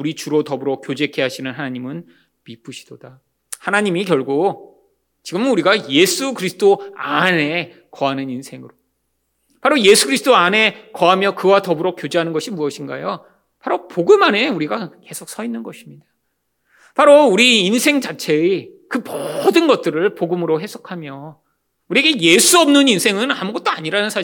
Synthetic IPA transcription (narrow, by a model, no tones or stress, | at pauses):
uɾit͡ɕuɾotʌbuɾok͈jod͡ʑe̞kʰe̞ɦaɕʰinɯnɦanaɲimɯn | mip͈ɯɕʰi̥d̥od̥a | hanaɲimikjʌɭɡo | t͡ɕiɡɯmuɾiɡaje̞sʰukɯɾisʰɯ̥t͈ʰoane̞ | kʌanɯninsʰe̞ŋɯɾo | paɾoje̞sʰuɡɯɾisʰɯt͈oane̞kʌamjʌkɯwatʌbuɾok͈jod͡ʑeɦanɯnɡʌɕʰimuʌɕʰinɡajo | pʰaɾopoɡɯmane̞uɾiɡake̞sʰok̚s͈ʌinːɯnɡʌɕʰimɲida | paɾouɾiːnsʰe̞ŋd͡ʑat͡ɕʰe̞ikɯmʌdɯnɡʌt̚t͈ɯɾɯɭpoɡɯmɯɾoɦesʰo̥kʰamjʌ | uɾiɡe̞je̞sʰuʌmnɯninsʰe̞ŋɯnamuɡʌt͈̚oaɲiɾanɯnsʰa